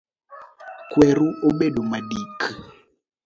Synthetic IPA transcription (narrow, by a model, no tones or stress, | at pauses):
kwɛɾuʔoɓeɗomaɗikʰ